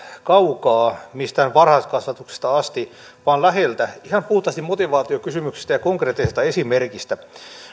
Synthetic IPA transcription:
kɑukɑːmist̪æhænʋɑrhɑskɑsʋɑt̪ukse̥st̪ɑɑst̪i | ʋɑːnlæhelt̪æihɑmpuht̪ˑɑst̪imot̪iʋɑːt̪iokysymyksi̥st̪æjɑkoŋkreːt̪ːisest̪ɑesimerkist̪æ

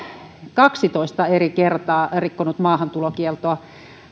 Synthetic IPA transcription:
kɑksit̪oist̪ɑerikert̪ɑːrikːonut̪mɑːhɑnt̪ulokielt̪oɑ

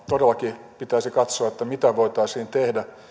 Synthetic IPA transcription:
t̪odelˑːɑkipit̪æisikɑt̪soɑet̪ːæmit̪æʋoit̪ɑːsiːnt̪ehdæ

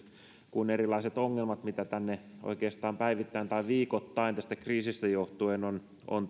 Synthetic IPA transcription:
kunerilɑiset̪oŋːelmɑt̪mit̪æt̪ænːeʔo̰ikeːst̪ɑːmpæiʋit̪ːæːnt̪ɑiʋiːkot̪ːɑint̪æst̪ækriːsist̪æjoht̪uenon | o̰n

